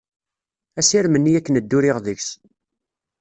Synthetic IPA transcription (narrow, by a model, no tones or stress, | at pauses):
æsɪɾmənːijækːənəd̪ːʊɾɪʁðəçs